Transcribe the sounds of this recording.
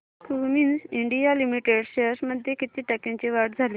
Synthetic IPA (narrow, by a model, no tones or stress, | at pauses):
kuminiɳɖijalimiʈeɽɕəsməd̪ʱjekit̪iːʈəkẽɲt͡ɕiʋaʈd͡zʱali